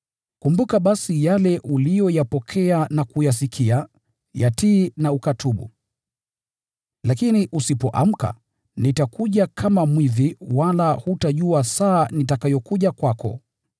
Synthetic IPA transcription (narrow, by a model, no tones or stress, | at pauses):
kumbukaɓasijalɛʔulijɔjapɔkʰɛanakujas̬ikʰia | jatiːnaukatʰuɓṵ | lakiniʔusipɔʔa̰m̩ka̰ | nitakuʄakʰamamwiðiwalahutaʄuasaːnitakajɔkuʄakwakɔ̰